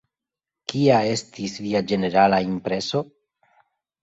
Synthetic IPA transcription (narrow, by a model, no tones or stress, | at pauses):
kiae̞stisviad͡ʒe̞ne̞ɾalaimpɾe̞so̞